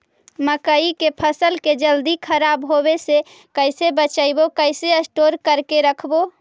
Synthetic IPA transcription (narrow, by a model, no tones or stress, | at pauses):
məkəikepʰəsəlked͡ʒəld̪ikʰəɾabɦobese | kəɪsebət͡ʃaɪbokəɪseəsʈoɾkəɾkeɾəkʰbo